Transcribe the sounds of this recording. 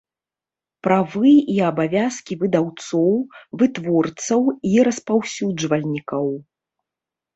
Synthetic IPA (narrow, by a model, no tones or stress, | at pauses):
pɾavɨiɐbavʲaskʲivɨd̪awt̪sɔwvɨt̪vɔrt̪sɐwiɾɐspawsʲud͡ʐvɐlʲnʲikɐw